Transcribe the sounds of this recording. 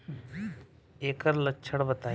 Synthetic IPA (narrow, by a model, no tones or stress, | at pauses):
eːkəɾlət͡ʃʰəɽbət̪aː